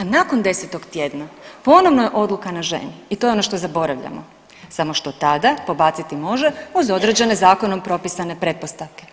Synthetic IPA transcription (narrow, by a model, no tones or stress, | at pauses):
anako̞nd̪e̞set̪o̞ɡt̪jed̪napo̞noʋnojeʔo̞d̪lukanaʒe̞̰niit̪o̞jeonoʃt̪o̞zabo̞ɾaʋʎa̰mo̰ | samo̞ʃt̪o̞t̪ad̪apo̞bat̪sit̪imo̞ʒeuzo̞d̪ɾed͡ʑe̞ne̞zaːko̞nompɾo̞pisane̞pɾe̞t̪̚po̞st̪aʋke̞